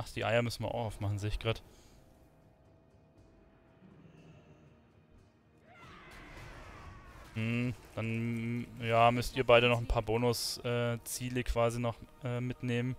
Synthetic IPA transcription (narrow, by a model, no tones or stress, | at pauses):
aχtd̥iːʔa̰ɪɐmʏsn̩viːɐʔa̰ʊχaʊfmaχn̩zeːɪçɡ̥ʁaːt | m̩h̩d̥an | jaːmʏstiːɐbaɪɾənɔχn̩pʰaːɐboːnʊsʔɛːt͡siːləkʰv̥aːzinɔχʔɛːmɪtneːmən